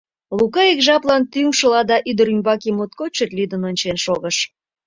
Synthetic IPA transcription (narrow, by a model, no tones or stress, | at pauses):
lukɑekʒɑplɑnt̪yŋʃəlɑd̪ɑʔyd̪əɾymbɑkimot̪̚kot͡ɕet̪lyd̪ə̆nonʲt͡ɕenʃoɣəʃ